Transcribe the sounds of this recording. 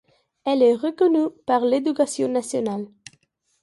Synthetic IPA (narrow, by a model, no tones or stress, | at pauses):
ɛlɛʁəkɔnypaʁled̪ykasjɔ̃nasjɔnal